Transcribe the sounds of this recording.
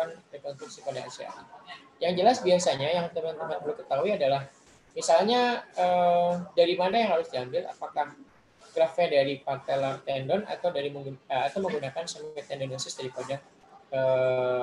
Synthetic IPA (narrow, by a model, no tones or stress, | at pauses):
anrekɔnst̪ɾuk̚sipadaa̰sia̰ | jaŋd͡ʒəlasbiasaɲajaŋt̪əmant̪əmanbəlʊmkət̪auiadalah | misalɲaədaɾimanajaŋhaɾʊsdiambɪla̰pakah | ɡ̥ɾafɛdaɾipart̪alart̪ɛndɔna̰t̪awdaɾiməŋɡuəat̪awməŋɡunakansamɛt̪ɛndɔnasɪsdadipaɲak | ə